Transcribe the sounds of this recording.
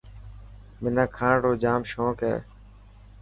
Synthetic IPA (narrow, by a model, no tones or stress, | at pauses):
mɪnãːkʰãːɽoːd͡ʒaːmʃõːkɛ̰ː